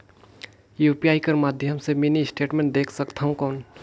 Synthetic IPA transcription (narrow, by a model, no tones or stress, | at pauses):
jupiaikəɾmad̪ʱjəmseminisʈeʈmẽɳʈ̚d̪ekʰsəkt̪ʰaɦũkəwn